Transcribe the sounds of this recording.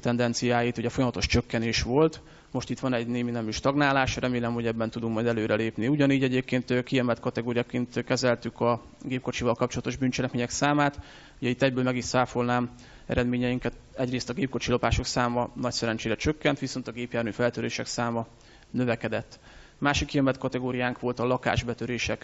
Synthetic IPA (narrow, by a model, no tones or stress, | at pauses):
t̪ɛnd̪ɛnt̪sijaːjit̪uɟɛfo̞jɒmɒt̪o̞ʃt͡ʃø̞kːɛneːʃʋo̞lt̪ | mo̞ʃt̪it̪ʋɒnɛɟneːminɛmyʃt̪ɒɡnaːlaːʃrɛmeːlɛmho̞ɟɛbːɛnt̪ud̪uŋkmɒjd̪ɛløːɾɛleːpniuɟɒniːɟɛɟeːpkeːnt̪ːkiɛmɛlt̪kɒt̪ɛɡoːɾijakeːnt̪kɛzɛlt̪ykɒ | ɡeːp̚ko̞t͡ʃivɒlkɒp̚t͡ʃo̞lɒt̪o̞ʒbynt͡ʃɛlɛkmeːɲɛksaːmaːt̪ | uɟɛit̪ːɛɟbøːlmɛɡiʃsaːfolnaːm | ɛ̰ɾɛd̪meːɲɛjiŋkɛt̪ɛɟreːst̪ɒɡeːp̚ko̞t͡ʃilo̞paːʃo̞ksaːmɒnɒcsɛɾɛnt͡ʃeːɾɛt͡ʃøkːɛnt̪ʋiso̞nt̪ɒɡeːpjaːrnyfɛlt̪øɾeːʃɛksaːmɒ | nø̞vɛkɛd̪ɛt̪ː | maːʃikːiɛmɛlt̪kɒt̪ɛɡoːɾijaːŋkʋo̞lt̪ɒlɒka̰ːʒbɛt̪øɾeːʃɛk